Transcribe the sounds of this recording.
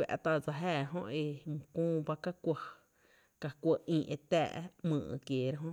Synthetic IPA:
ɛ̰˨ʔt̪a˧d͡za˧˨ɦɛː˦˧˨ɦõ̰˦ʔe˧mũ˨kũː˦ba˦ka˦kʷə˧ | ka˨kʷə˧ʔĩː˧˨ʔe˧t̪ɛ̰ː˧˨ʔmɨ̰̃ː˧˨ʔkjeː˨ɾa˦ɦõ˦ʔ

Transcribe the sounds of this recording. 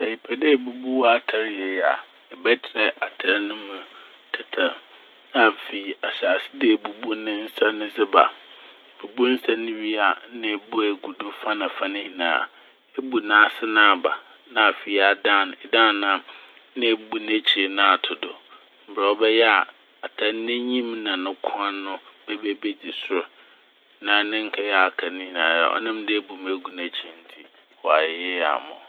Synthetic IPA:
sɛ˨i˨pʰɛ˨de˦˨bu˨bu˦wa˦tʰa˨ɾjɛ˨ja̰˨ | ɛ˨bɛ˦tʰɪ˨ɾɛ˦ʔa˨tʰa˨˦ɾnʊ̃˦mʊ̃˨ | tʰɪ˨tʰã˨ | n˦a˨fi˨a˨ɕa˨sɪ̥˦de˦˨bu˨bu˦nɪ̃˦n̩˦sa˦nɪ̃˦zɪ˦ba̰˨ | bu˨bu˦n̩˦sa˦nɪ̃˦wi˦a˨˦nɪ̃˦˨bu˦e˨ɡu˨dʊ˦fa˦nã˨fa˦nɪ̃˦hĩ˨nã̰ː˨˦˨ | e˦bu˨nãː˨˦sɪ˦nãː˦˨ba˨ | nã˨a˨fi˨a˨dã˦˨n˨ɛ˨dã˦˨nã˦m | nɪ̃˦bu˨nẽ˦t͡ɕʰi˨nã˨a˨tʰʊ˨dʊ˨ | m̩˨bɾa˨ɔ˦bɛ˦jɛ˦a˨ | a˨tʰa˨n˦nɪ̃˦ɲĩ˦mnã˨nʊ̃˦kʰʊ˦a˦nʊ̃˦b̥ɛ˦be˦be˦di˨sʊ˦ɾ | nã˨˦nɪ̃˦ŋ̩˦kʰa˦jɛ˦a˨kʰa˨nɪ̃˦hi˨nãː˨˦ja̰˨ʔɔ̰˦nã˦mdɪ˦e˦bu˨me˨ɡu˨ne˨t͡ɕʰi˦n̩˦tʰi˦ | wɔ˨a˨jɛ˦a̰˨mʊ̰̃˨

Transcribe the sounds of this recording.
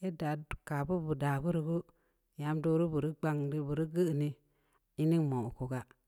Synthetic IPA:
e˦da˨ka˨bu˦bu˨da˨bu˦ɾi˨ɡu˦ | ja˨˦mdo˧ɾu˦bu˨ɾi˦ɡ͡ba˧ŋdi˦˨bu˨ɾi˦ɡə˦˨ni˦ | i˦ni˦ŋmo˨ko˨ɡa˦

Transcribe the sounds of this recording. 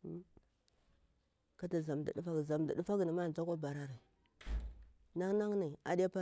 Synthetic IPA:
ka˦ta˨za˨m˨da̰˨ɗu˦fa˦ɡza˨mda̰˨ɗu˦fa˦ɡni˨ma˦˨n˨d͡ʒa˦kʷa˦ba˨ɾa˦ɾi˨ | na˦ŋ˦na˦ŋni˨a̰˨ɗi˦a˦pa˦

